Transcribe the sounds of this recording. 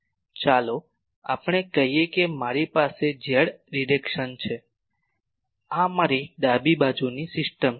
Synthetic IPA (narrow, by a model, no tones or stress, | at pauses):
t͡ʃalo | a̰pɳ̃ekəɦijekemaɾipased͡ʒeɭɾiɖekʃənt͡ʃʰe | amaɾiɖabibad͡ʒunisɪsʈəm